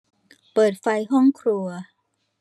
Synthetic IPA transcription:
pɤː˨˩t̪̚fa˧jɦɔ˥˩ŋkʰɾu˧ɐ

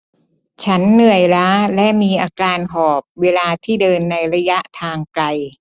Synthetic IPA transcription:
t͡ɕʰa˦˥nːɯ˨˩əjɾaː˦˥lɛ˦˥ʔmiː˧ʔaː˧kaː˧nɦɔː˨˩p̚weː˧laː˧t̪ʰiː˥˩dɤː˧nːa˧jɾa˧˥ja˦˥ʔt̪ʰaː˧ŋkla˧j

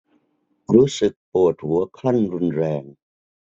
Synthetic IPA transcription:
ɾuː˦˥sɯ˨˩k̚pu˨˩ət̪̚hu˩˦ɐkʰla˥˩nɾu˧nɾɛː˧ŋ

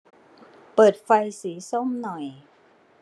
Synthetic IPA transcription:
pɤː˨˩t̪̚fa˧jsiː˩˦so˥˩˨mnɔ˨˩j

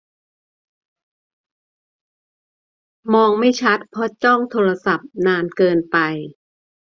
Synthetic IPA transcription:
mɔː˧ŋma˥˩jt͡ɕʰa˦˥t̪̚pʰɔ˦˥t͡ɕɔ˥˩ŋt̪ʰoː˧ɾa˧sa˨˩p̚naː˧nkɤː˧npa˧j

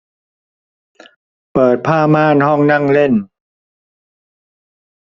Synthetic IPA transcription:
pɤː˨˩t̪̚pʰaː˥˩maː˥˩˨nhɔ˥˩ŋna˥˩ŋle˥˩n

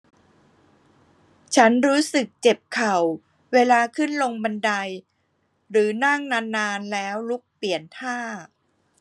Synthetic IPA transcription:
t͡ɕʰa˦˥nɾuː˦˥sɯ˨˩k̚t͡ɕe˨˩p̚kʰa˨˩w | weː˧laː˧kʰɯ˥˩nlo˧ŋba˧nda˧j | ɾɯː˩˦na˥˩ŋnaː˧nːaː˧nlɛː˦˥wlu˦˥k̚pli˨˩ənt̪ʰaː˥˩

